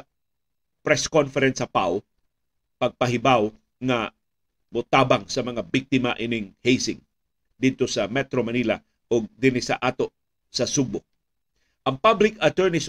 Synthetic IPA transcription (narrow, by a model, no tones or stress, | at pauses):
pɹɛskonfɛɾɛnsɐpa̰w | pɐɡ̚pɐɦɪbaw | ŋɐ | mʊt̪aːbaŋsɐmɐŋabik̚t̪ɪmaʔɪnɪŋhejsɪŋ | d̪id̪̚t̪osɐmɛt̪ɾomɐnilɐ̰ | ʔoɡ̚d̪ɪnɪsɐ̰ʔaːt̪o̞ʔ | sɐsuɡ̚bʊ | ʔɐŋpablɪkɐt̪ɛɹnɪs